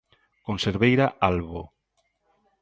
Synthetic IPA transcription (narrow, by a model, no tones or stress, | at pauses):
konseɾβejɾaʔalβo